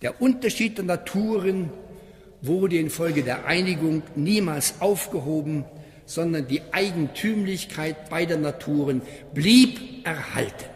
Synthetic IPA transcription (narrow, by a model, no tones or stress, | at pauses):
d̥eːɐʔʊntɐʃiːt̚d̥eːɐnatʰuːʁən | vʊʁdəɪnfɔlɡədeːɐʔa̰ɪnɪɡʊŋniːmaːlsʔaʊfɡ̥əɦoːbm̩ | z̥ɔndɐndiːʔaɪɡŋ̩tʰyːmlɪçkʰaɪt̚b̥aɪdeːɐnatʰuːʁən | bliːpʔɛɐha̰ltən̩